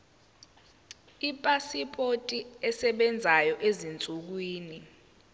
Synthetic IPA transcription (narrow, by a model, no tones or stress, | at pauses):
ipʼasipʰʼotʼiɛsɛɓɛnd͡zʱajɔʔezint͡sʼuk̬wiːni